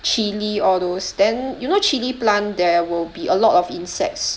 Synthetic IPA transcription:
t͡ʃiliɔdosdɛ̃njunot͡ʃiliplãndɛwilbiʔəlɔtɔfĩnsɛ̰k̚ts

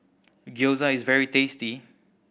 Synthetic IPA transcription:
ɡjozaɪzvɛɹitesti

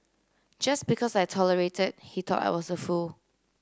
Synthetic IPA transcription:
d͡ʒasbikʰɔsaɪtʰɔləɹetəd̚hitʰɔ̰ta̰ɪwɔsəful

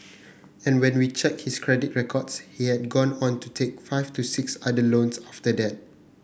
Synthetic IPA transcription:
ɛ̃nwɛ̃nwit͡ʃɛk̚hiskʰɹɛdit̚ɹɛkʰɔdshihɛt̚ɡɔ̃nɔ̃ntutʰek̚faɪvtusɪksadəlõnsaftədɛt̚

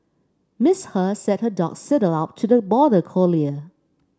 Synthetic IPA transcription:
mɪshəsɛt̚hədɔ̰ksɪɾəlap̚tʰudəbɔdəkʰoliə

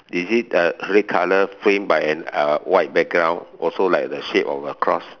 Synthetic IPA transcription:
dizit̚əɹɛt̚kʰaləfɹẽmbajɛ̃nəwaɪt̚bɛk̚ɡɹãw̃nʔɔlsolaɪk̚dəʃepɔfəkʰɹɔ̰s

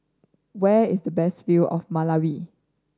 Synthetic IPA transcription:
wɛɪsdəbɛstfilɔ̰fmalawi

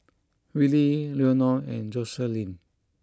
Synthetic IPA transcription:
wililiɔnɔɛ̃nd͡ʒɔsɛlĩn

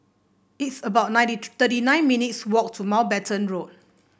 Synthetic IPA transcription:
itsəbaʊt̚nãj̃ntit̪ətinãɪ̃nminitswɔk̚tʰumalbɛtʰə̃nɹot̚

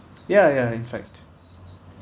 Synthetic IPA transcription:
jæjæɪ̃nfæ̰k̚t

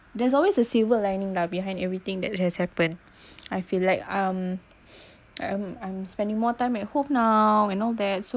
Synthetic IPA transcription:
dɛsɔlwesəsivəllãjnĩŋlabihãj̃nɛvɹit̪ɪ̃ŋdɛt̚hɛshɛpə̃n | ajfilaɪkãm | ã̰mãj̃mspɛ̃ndĩŋmɔtãɪ̃mɛt̚hop̚nawɛ̃nɔld̪ɛt̚so

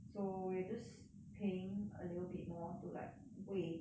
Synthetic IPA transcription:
sowid͡ʒʌs | pʰeɪ̃ŋə̰liɾl̩ˠbit̚mɔtula̰t̚ | we

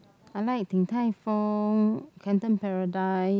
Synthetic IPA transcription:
ajlajk̚t̪ʰiŋt̪ʰajfɔŋkʰɛ̃nt̪ə̃mpɛɹadaj

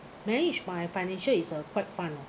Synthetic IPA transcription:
mɛnid͡ʒbajəfaɪnɛ̃nʃəlisəkʰwatfãn

